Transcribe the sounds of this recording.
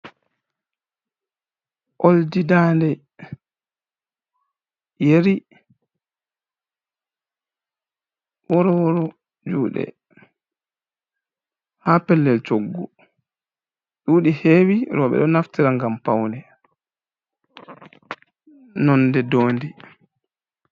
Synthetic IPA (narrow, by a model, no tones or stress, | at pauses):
ʔoldidaːndɛ | jeɾi | wɔɾɔwɔɾɔ | d͡ʒuːɗɛ̰ | haːpɛlːɛlt͡ʃoɡːɔ | ɗuːɗiheːwiɾɔɓɛ̰ɗɔnaftiɾaŋɡampawndɛ | nɔndɛdoːndi